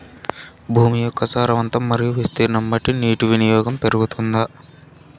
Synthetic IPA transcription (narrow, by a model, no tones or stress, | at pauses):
bʱuːmijɔkːɐsaːɾɐʋɐnt̪ɐmːɐɾijuʋist̪iɾnɐmbɐʈiniːʈuʋinijɔːɡɐmpeɾuɡut̪und̪ɐ